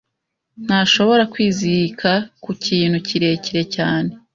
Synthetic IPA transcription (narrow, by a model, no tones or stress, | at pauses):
n̥haːʃo̞βo̞ɾakwiːziikʰakuciːn̥huciɾe̞ciɾe̞caːne̞